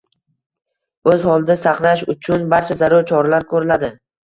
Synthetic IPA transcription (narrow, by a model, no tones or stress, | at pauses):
ɵzhɒlˠd̪asaχnaʃʊt͡ʃʰʊnbaɾt͡ʃʰazaɾʊɾt͡ʃʰɒɾalaɾkʰɵɾɪlad̪ɪ